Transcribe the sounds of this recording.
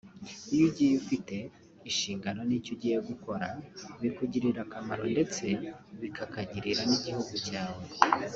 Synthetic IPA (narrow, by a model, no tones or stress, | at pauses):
ijuɟijufite̞ | iʃiːŋɡano̞nicoɟiheɡuko̞ɾaβikuɟiɾiɾakamaɾo̞nde̞t͡se̞βikʰakaɟiɾiɾaniɟihuɡucaːwe